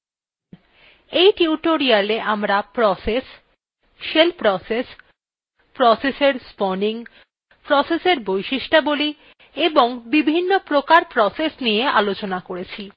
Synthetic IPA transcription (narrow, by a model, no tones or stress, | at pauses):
ejʈiuʈoɾialeʔamɾapɾɔses | ʃelpɾɔses | pɾɔseseɾspɔniŋ | pɾɔseseɾbojʃiʃʈaboli | eboŋbibʱinːopɾokaɾpɾɔsesnijeʔalot͡ɕonakoɾet͡ɕʰi